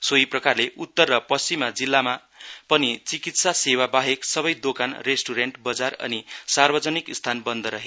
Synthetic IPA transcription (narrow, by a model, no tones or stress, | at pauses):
soiprʌkarleʔut̪ːʌrːʌpʌst͡simːad͡zilːama | pʌnit͡sikit̪sasewabaɦeksʌbʌjd̪okanresʈuɾeɳʈbʌd͡zarʌ̰nisarbʌd͡zʌnikst̪ʰanbʌnd̪ʱʌɾʌɦe